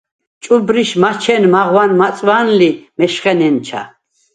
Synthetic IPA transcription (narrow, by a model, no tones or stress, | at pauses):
t͡ʃʼubɾiʃmat͡ʃʰɛnmaʁwanmat͡sʼwanlimɛʃχɛnɛnt͡ʃʰa̰